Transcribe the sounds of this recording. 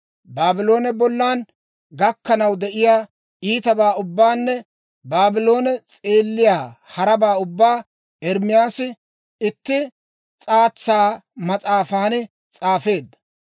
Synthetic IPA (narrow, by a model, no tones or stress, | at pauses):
baːbɪlo̞ːnɛbɔlːaːn | ɡɐkːɐnɐwd̪ɛʔɪjaː | iːt̪ɐbaːʊbːaːnːɛ | baːbɪlo̞ːnɛt͡sʼe̞ːlːɪjaːhɐɾɐbaːʊbːaː | ɛɾmɪjaːsɪ | ɪt̪ːɪ | t͡sʼaːt͡sːaːmɐt͡sʼaːfaːnɪ | t͡sʼaːfe̞ːd̪ːɐ̥